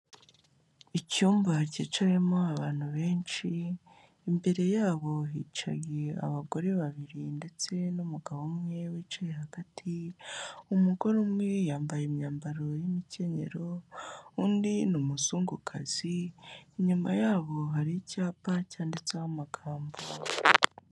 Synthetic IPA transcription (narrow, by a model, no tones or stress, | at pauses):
icuːmvacḭːt͡ʃaɾimo̞aβaːn̥huβe̞ːnt͡ʃiː | mbe̞ɾe̞jaːβo̞ɦiːt͡ʃa̰jea̰βaɡo̞ɾe̞βaβiɾinde̞t͡se̞numuɡaβomŋe̞wit͡ʃajehaɡ̥atʰi | umuɡo̞ɾumŋejaːmbajemɲaːmbaɾo̞jimice̞ɲe̞̰ɾo̞undinumuzuːŋɡukʰaz̥iːɲumajaːβo̞ɦaɾicaːpacaːndet͡seawamaɡ̥aːmbo